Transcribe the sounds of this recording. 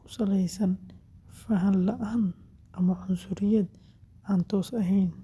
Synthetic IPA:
kʰʊ̥sɐlɛjsɐnfɐɦɐnlɐʔaːn | ʔɐmɐʕʊnsʊɾɪjɐd̪ | aːnt̪ʰɔːsɐɦɛjn

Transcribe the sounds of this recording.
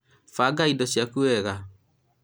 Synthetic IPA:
faɡaidɔɕjakuɛɣa

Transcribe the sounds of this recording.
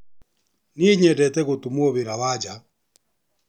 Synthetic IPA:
neːɲɛdɛtɛɣotumooβeɾaβad͡ʒa

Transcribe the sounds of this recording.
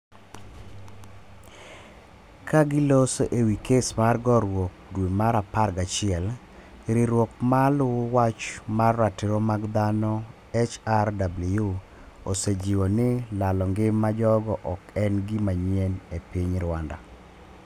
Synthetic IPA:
kaɡɪlosoʔewikesmarɡɔɾwok̚dwemaɾaparɡat͡ʃɪɛl | ɾɪɾwok̚malʊwat͡ʃmarːatɪɾomaɡd̪anɔ | ɛt͡ʃardablju | osed͡ʒiwonɪlalɔŋɡɪmad͡ʒɔɡɔʔɔkɛnɡɪmaɲienepiɲɾwanda̰

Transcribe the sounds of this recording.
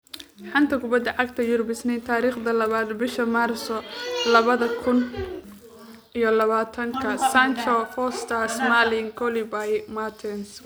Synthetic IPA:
ħɑnt̪ʰɐkʰʊbɐd̪ɐʕɑɡt̪ʰɐjʊɾbɪsnɛjt̪ʰaːɾiːχd̪ɐlɐβaːd̪bɪʃɐmaːrsɔlɐβɐðɐkʰʊn | ʔijɞlɐβaːt̪ʰɐŋkʰɐsant͡ʃɔfɔːst̪ʰɐsmalɪŋkʰɔlibajmat̪ʰɛns

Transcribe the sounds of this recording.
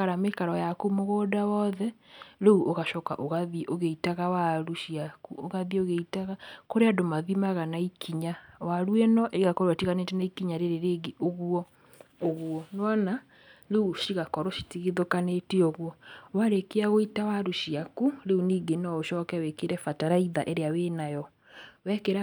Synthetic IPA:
aɾamekaɾɔjakomoɣɔdawɔðɛɾeuʔoɣaʃɔka̰ʔoɣaðiʔoɣeitaɣawaɾuʃiakuoɣaðioɣeitaɣakoɾeadomaðimaɣanaikʰiɲawaɾuɛnɔʔeiɣakɔɾwatiɣanetenaikiɲaɾeɾeɾeɡeʔoɣuɔ | oɣwɔnwana | ɾeuʃiɣakɔɾɔʃi̥tiɣeðokaneteoɣwɔwaɾekeaɣoitawaɾuʃiakuɾeuniːɡenɔoʃɔːkɛwɛkeɾɛfataɾaiðaʔɛɾeaweːnajɔ | wɛkeɾa

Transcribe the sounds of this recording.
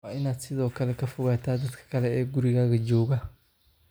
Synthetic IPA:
aɪnaːd̪sɪðɔːkʰɐlɛkɐfʊɣaːt̪ʰaːd̪ɐd̪kʰɐ̥kʰɐlɛɛːɡʊɾiɣaːɣɐd͡ʒɔːɣa

